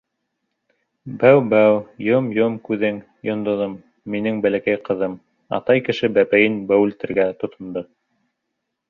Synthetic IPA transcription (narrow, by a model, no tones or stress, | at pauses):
bæwbæwjomjomkʉðɘŋ | jŏnd̪ŏðɤmː | inɘŋbælækæjqɤ̆ðɤm | ɑ̰t̪ɑjkɘ̆ʃɘbæpæjɘnbæwʉlt̪ɘ̆ɾɡæt̪ŏt̪ŏnd̪ɤ